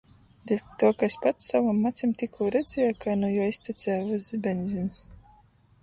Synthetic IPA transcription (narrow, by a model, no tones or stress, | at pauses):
d̪ʲelʲt̪uɔkasʲpat̪savamːat̪sʲimt̪ʲikʰuːɾɛd̪zʲɛjakajnujaːisʲt̪ʲit̪sʲæjvazzibʲɛnʲzʲins